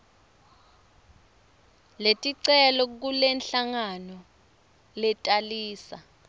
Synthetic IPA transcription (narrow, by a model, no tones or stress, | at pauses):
letʼiǀɛlɔk̬ulɛnɬaŋanɔ | lɛtʼaliːsa